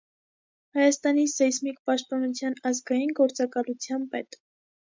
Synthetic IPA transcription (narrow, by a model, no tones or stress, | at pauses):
hɑjɑst̪ɑnisɛsmikpɑʃt̪̚pɑnut͡sʰjɑnɑzɡɑjinɡɔɾt͡sɑkɑlut͡sʰjɑmpɛt̪